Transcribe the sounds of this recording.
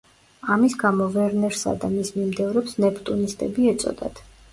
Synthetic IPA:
amisɡamɔvɛɾnɛɾsa̰d̪amismimd̪ɛvɾɛpsnɛpt̪ʼunist̪ʼɛbiɛt̪sʼɔ̰d̪a̰t̪ʰ

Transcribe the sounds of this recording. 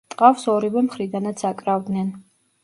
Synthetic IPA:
t̪ʼqʼafsɔɾivɛmχɾid̪anat̪sʰakʼɾavd̪nɛn

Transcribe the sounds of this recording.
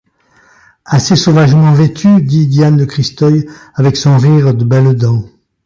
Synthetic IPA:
asesovaʒmɑ̃vet̪ʰyd̪id̪jand̪əkχist̪ɔjavɛksɔ̃ʁiʁd̪əbɛld̪ɑ̃

